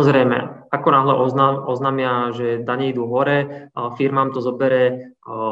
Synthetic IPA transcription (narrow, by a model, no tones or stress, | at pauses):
ɔzɾɛjmɛ̰akɔnaɦlɛʔɔaɔznaːmɪaʒɛd̪aɲɛid̪uːɦɔɾɛfiɾmaːmt̪ɔzɔbɛɾɛ